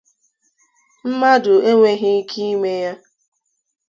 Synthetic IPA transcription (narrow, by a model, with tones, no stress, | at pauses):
m̩˦ma˦dʊ˨e˦ŋʷe˦ɦɪ˦kʰi˦i˦me˦ja˦